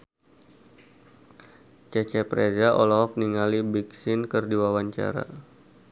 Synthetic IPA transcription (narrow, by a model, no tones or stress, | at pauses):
t͡ʃɛt͡ʃɛpɾezaʔɔlɔɦɔk̚niŋalibiksɪnkərdiwawaɲt͡ʃa̰ɾa̰